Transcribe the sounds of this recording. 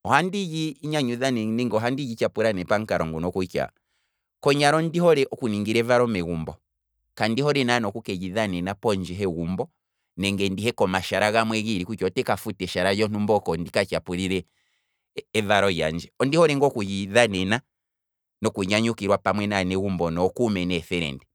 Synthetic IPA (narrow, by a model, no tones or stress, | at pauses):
ɔhandid͡ʒiːɲaɲuðanɛnɛŋɡɔɦandid͡ʒit͡ʃapuɾanɛpaŋ̩kaɾɔŋɡunɔkuka̰ | kɔɲaɾɔndihɔɾɛʔɔkuniŋɡiɾɛvaɾɔmɛɣumbɔ | kandihɔɾɛnanɔkukɛd͡ʒiðanɛnapɔɲd͡ʒɛɦɛɣumbɔ | nɛŋɡɛndihɛkɔmaʃaɾaɣamwɛɣiɾikukɔtɛkafutɛʃaɾad͡ʒɔnumbɔkɔndikat͡ʃapuɾiɾɛ | vaɾɔja̰ɲd͡ʒɛɔndihɔɾɛŋɡɔkujiðanɛna | nɔkuɲaɲukiɾwapamwɛnanɛɣumbɔnɔkumɛnɛθɛɾɛ̰ndɛ